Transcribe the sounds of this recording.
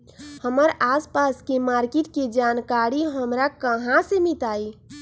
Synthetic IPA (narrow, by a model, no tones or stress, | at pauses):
həməɾaːspaskemaːɾkɪʈked͡ʒaːnkaɾiɦəmɾakəɦãsemit̪aːi